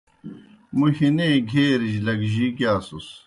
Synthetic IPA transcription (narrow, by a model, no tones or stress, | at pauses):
muɕineːɡʱeːɾiʑlɐɡʑikjaːsus